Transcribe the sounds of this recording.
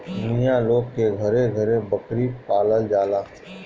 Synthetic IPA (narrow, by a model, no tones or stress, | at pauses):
mɪjãloːɡkeɡʱɐɾẽɡʱəɾẽbəkɾipaːləld͡ʒaːlaː